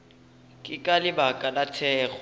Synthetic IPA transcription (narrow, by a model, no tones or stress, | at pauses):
kʼɪkʼalɪbakʼalatʰɛːɣ